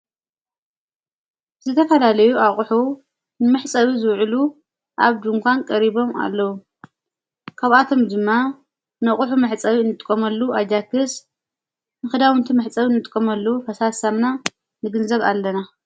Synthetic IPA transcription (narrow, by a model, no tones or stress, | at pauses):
zɨt̪ʰɐfɐlalɐjuʔaχʼħu | nɨmɨħt͡sʼɐwizɨwʕlu | ʔa̰βd̪ɨŋkʷʰankʼɐɾiβo̞ma̰lːɐwu | kʰaβat̪ʰo̞md̪ɨmːa | nɐχʼʊħumɨħt͡sʼɐwiɨnːɨt̪ʼɨkʼːɐmɐlːuʔad͡ʒakɨs | nɨxɨd̪awɨnt̪ʰimɨħt͡sʼɐwinːɨt̪ʼɨkʼɐmɐlːuwufɐsasamna | nɨɡɨnzɐβa̰lːɐna